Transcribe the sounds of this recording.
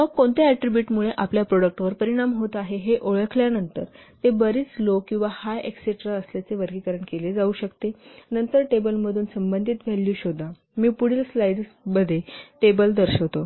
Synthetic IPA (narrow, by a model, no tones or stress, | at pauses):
məɡkoɳt̪eæʈɾibjuʈmuɭeʔapljapɾoɽək̚ʈʋəɾpəɾiɽ̃amɦot̪aɦeɦeʔoɭəkʰljanənt̪əɾt̪ebəɾiːt͡slokĩw̃ʋahajekseʈɾaəsljat͡seʋəɾɡikəɾəɳkeled͡zauːɕəkt̪enənt̪əɾʈebəlməd̪ʱuːnsəmbənd̪ʱit̪ʋʱɛlːuːɕod̪ʱa | miːpuɽ̤iːlslaiɖsbəd̪ʱeʈebəld̪əɾɕəʋt̪o